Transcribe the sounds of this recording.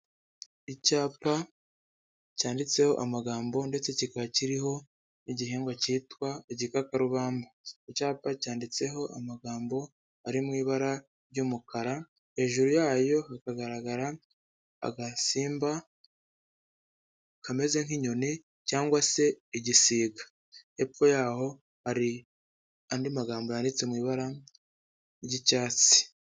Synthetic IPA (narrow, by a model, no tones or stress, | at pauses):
icaːpa | caːndit͡se̞ho̞̰ʔamaɡaːmbo̞nde̞t͡se̞cikaβaciɾiɦo̞ | niɟiɦiːŋɡwaciːtwaeɟikakaɾuβaːmbaicaːpacaːndit͡se̞ɦo̞ʔa̰maɡaːmbo̞ | aɾimŋiːβaɾa | ɾɟuːmukʰaɾa | he̞ːʒuɾujaːjo̞hakaɡaɾaɡaɾa | a̰ɡasiːmba | kame̞ze̞ŋ̥hiɲo̞ni | caːŋɡwase̞ːɟisiːɡḁ | epojaːho̞ | haɾi | andimaɡaːmbo̞jandit͡se̞mŋiːβaɾa | ɟicaːt͡si̥